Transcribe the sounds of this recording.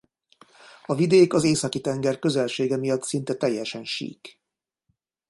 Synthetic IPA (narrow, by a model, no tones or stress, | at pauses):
ɒvid̪eːkɒzeːsɒkit̪ɛŋɡɛrkø̞zɛlʃeːɡɛmijɒt̪sint̪ɛt̪ɛjːɛʃɛnʃḭːk